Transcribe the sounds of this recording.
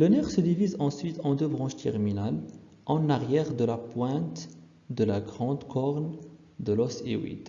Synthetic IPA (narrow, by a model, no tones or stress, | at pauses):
lənɛʁsəd̪ivizɑ̃sɥit̪ɑ̃d̪øbʁɑ̃ʃt̪ʰɛ̰ʁminal | ʔɑ̃naʁjɛʁd̪əlapwɛ̃t̪ | d̪əlaɡʁɑ̃d̪kʰɔʁn | d̪əlɔsḛwḭd̪